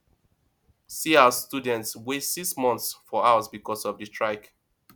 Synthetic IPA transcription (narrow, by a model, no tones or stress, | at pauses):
siawəstudɛ̃ntswesiksmɔ̃nθsfɔaʊsbikɔsɔvdəstɹaɪk